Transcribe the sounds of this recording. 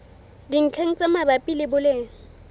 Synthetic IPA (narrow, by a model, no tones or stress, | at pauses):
diŋ̩t͡ɬʰeŋ̩t͡sʼɛmabapʼilɪbʊleːŋ̩